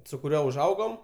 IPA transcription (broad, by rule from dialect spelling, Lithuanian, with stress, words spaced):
sʊ kʊˈrʲuɔ ʊʒˈɐʊɡoːm